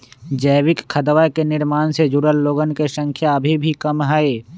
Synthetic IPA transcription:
d͡ʒəːwɪkkʰːəd̪ʋakenɪɾmaːnsed͡ʒʊɾəlːoːɡənkesə̃ŋkʰjaɐbʱibʱikɐmɦaːeː

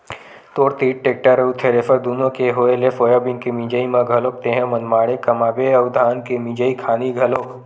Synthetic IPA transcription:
t̪oːɾt̪iːʈ̚ʈeːk̚ʈaɾəut̪ʰeɾeːfəɾd̪uːnõkeɦoːelefojabɪ̃nkemĩd͡ʒəimãɡʱɐlok̚t̪ẽɦẽmɐnmaːɽekɐmaːbeɐʊd̪ʱaːnkemĩd͡ʒəikʰaːniɡʱɐloːk

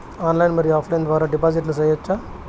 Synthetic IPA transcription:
aːnlɐjnmɐd̪ɾiaːflɐjnʋaːɾɐɖɪpaːs̬ɪʈːnɐsɛjːɐt͡ʃːa

